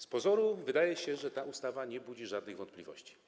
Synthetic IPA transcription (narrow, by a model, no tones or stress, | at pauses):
spɔzɔɾuvɘd̪ajɛɕɛʐɛt̪aʔust̪avaɲɛbud͡ʑiʐad̪nɘɣvɔnt̪plʲivɔ̰ɕt͡ɕi̥